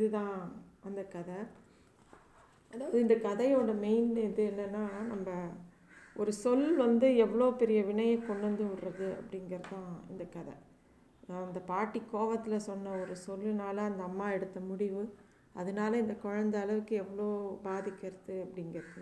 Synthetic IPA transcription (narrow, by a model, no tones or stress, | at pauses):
ɪðɯt̪ãːɐnd̪ɐkɐðɐ | ɐːðɯɪnd̪ɐkɐðɐjoːɽɐmɛɪnɛðɯɛnːɛnːaːnɐmːɐ | ʔɔɾɯsɔlʋɐnd̪ɯɛʋːɐɭoːpɛɾɪjɐʋɪɳɐjɐkɔɳːɐnd̪ɯʋʊɽɾɐðɯɐ̰pːɐɽɪŋɡɐɾɐt̪ãːɪnd̪ɐkɐðɐ̰ | nãːɪnd̪ɐpaːʈːikːoːʋɐt̪ːɪlɐsɔnːɐɔɾɯsɔlːnaːlɐɐnd̪ɐːmːaːɛɽɯt̪ːɐmʊɽɪʋɯ | ɐðɯnaːlɐɪnd̪ɐkɔɻɐnd̪ɐːlɐʋɯkːɯɛʋːɐɭoːbaːðɪkːɐɾɐðɯɐpːɐɽɪŋɡɪɾɐðɯ